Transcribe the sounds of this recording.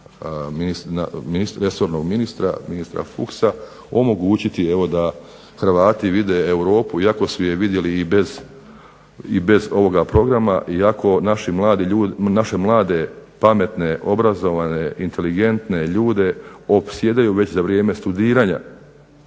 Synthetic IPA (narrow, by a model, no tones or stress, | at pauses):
minisna̰minisɾe̞so̞ɾno̞ɡminist̪ɾa̰minist̪ɾa̰fṵksa | o̞mo̞ɡuːt͡ɕit̪ie̞ʋo̞d̪a | xɾʋaːt̪iʋid̪eewɾo̞ːpuiako̞sujeʋid̪je̞liːbe̞z | ibe̞zo̞ʋo̞ɡapɾo̞ɡɾama̰ʔiakʰo̞naʃimlaːd̪iuːnaʃe̞mlˠaːd̪e̞pame̞t̪ne̞ʔo̞bɾazo̞ʋane̞int̪ʰe̞liɡe̞nt̪ne̞ʎuːd̪e̞o̞psje̞d̪ajuʋe̞t͡ɕzaʋɾje̞ːme̞st̪ud̪iːɾaːɲa̰